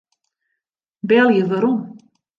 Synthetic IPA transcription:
bɛlˠjəvaɾum

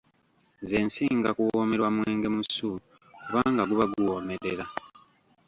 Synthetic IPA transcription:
zeːnsiːŋɡakuwome̞ɾwamwe̞ːŋɡe̞musu | kuβaːŋɡaɡuβaɡuwoːmeɾeɾa

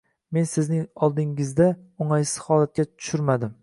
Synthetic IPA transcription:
me̞nsɪznɪŋɒlˠd̪ɪŋɪzd̪a | ʊŋajsɪ̥z̥hɒlˠat̪̚kʲat̪ʰʊ̥ʃʊɾmad̪ɪm

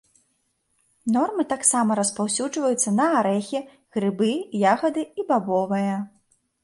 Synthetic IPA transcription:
nɔrmɨt̪aksamɐɾɐspawsʲud͡ʐvɐjut̪sːɐnɐaɾɛxʲɛ | ɣɾɨbɨjaɣɐd̪ɨibabɔvɐjɐ

